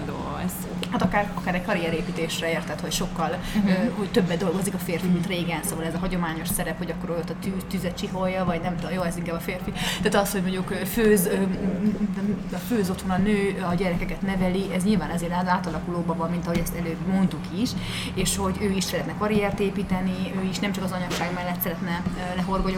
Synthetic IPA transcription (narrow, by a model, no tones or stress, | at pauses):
do | ɛz | hat̪ɒkaːrɒkaːɾɛɟkɒɾijɛɾeːpiːt̪eːʃrɛeːrt̪ɛt̪hocʃo̞kːɒl | øɦo̞ct̪ø̞bːɛd̪d̪o̞lɡo̞zikɒfeːrfimint̪reːɡɛnsoːvɒlɛzɒɦɒɟo̞maːɲo̞ʃsɛɾɛpho̞ɟɒkːoɾojot̪ːɒt̪yt̪yzɛt͡ʃiɦo̞jːɒvɒɟnɛmt̪joːɛziŋkaːbɒfeːrfit̪ɛaːt̪ɒsho̞ɟmo̞ɲɟukøːføːz | føːzo̞t̪ho̞nɒnøːɒɟɛɾɛkɛkɛt̪nɛvɛliʔɛzɲilvaːnɛzeːɾaːd̪aːt̪ɒlɒkuloːbɒvɒmːint̪ɒɦoɟɛst̪ɛløːbmo̞nt̪ukiʃ | eːʃho̞ɟøːiʃsɛɾɛt̪nɛkɒɾiɛrt̪eːpiːt̪ɛniøːiʃnɛmt͡ʃɒkɒzɒɲɒkʃaːɡmɛlːɛt̪sɛɾɛt̪nɛ | lɛɦo̞rɡo̞j